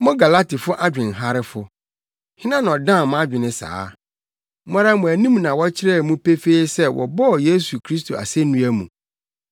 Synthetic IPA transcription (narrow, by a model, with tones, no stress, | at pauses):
mɔ̃˦ɡa˨la˦ti˨fʊ˦ʔa˦d͡ʑᶣɪ̃˨n̩˨ɦa˦ɾɪ˦fʊ˨ | hɪ̃˦nã˦n˨ɔ˨dã˦˨m̃˦a˦d͡ʑᶣɪ˨nɪ̃˦sa̰ː˨˦ | a˦ɾa˦mʊ̃˨æ˨nĩ˦mnã˨wɔ˦t͡ɕʰɪ˦ɾɛ˦˨mũ˦pe˦fe˦sɛ˦wʔɔ̰˨bɔ˦˨je˦su˨kʰɾi˦s̬tʰo˨a̰˨sɛ˦nũ˦æ˦mṵ̃˨